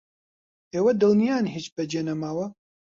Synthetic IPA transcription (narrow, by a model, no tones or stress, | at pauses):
eːwɐd̪ɨlnijaːnɦit͡ʃbɛd͡ʒeːnɐmaːwɐ